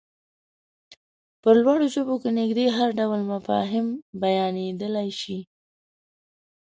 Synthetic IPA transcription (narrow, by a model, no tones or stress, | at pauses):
pəlwɑɽoʒobokenɪɡd̪eɦaɾɖawlmafɑ̰ɦɪmbajɑned̪əlajʃi